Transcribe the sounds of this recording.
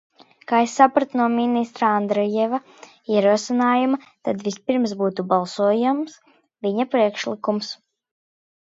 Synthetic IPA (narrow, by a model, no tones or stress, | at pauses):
kaːesːapɾat̪unuɔminist̪ɾaand̪ɾɔjɛva | iɛɾuɔsinaːjuma | t̪ad̪vispiɾms̬buːt̪ubalˠsuɔjams | viɲapɾiɛkʃlˠikums